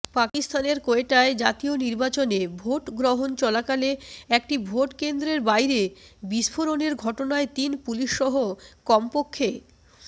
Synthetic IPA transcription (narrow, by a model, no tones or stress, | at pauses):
pakist̪aneɾkoeʈaed͡ʑat̪ioniɾbat͡ɕonebʱoʈɡɾoɦont͡ɕɔlakaleɛk̚ʈibʱoʈkend̪ɾeɾbajɾebiʃfʰoɾoneɾɡʱɔʈonaet̪inpuliʃːɔɦokɔmpokʰːe